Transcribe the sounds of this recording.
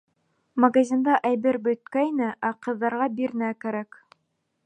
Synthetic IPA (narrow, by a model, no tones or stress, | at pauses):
mɐɡazʲind̪ɑʔæjbɘɾbɵ̆t̪̚kæjnɘʔæqɤ̆ðːɑɾʁɑbiɾnækæɾæk